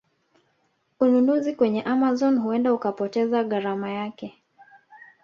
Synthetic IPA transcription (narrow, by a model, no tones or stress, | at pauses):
ununuzikwɛɲɛʔamazɔnɦuɛndaukapɔtɛzaɣaɾamajakɛ